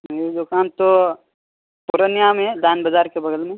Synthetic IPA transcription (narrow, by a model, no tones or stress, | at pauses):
ed̪ʊkaːnt̪o | pʊɾənjamẽd̪aːnbɐzaːɾkebɐɡəlmẽ